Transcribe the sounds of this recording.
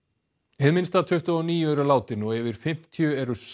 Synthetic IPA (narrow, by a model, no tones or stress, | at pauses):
hɛðmɪnst̪at̪ʰʏht̪ɔniːjʏɛɾʏlaːwt̪ɪnɔɣɛvɪɾ̥fɪm̥t̪ʰjœɛɾʏs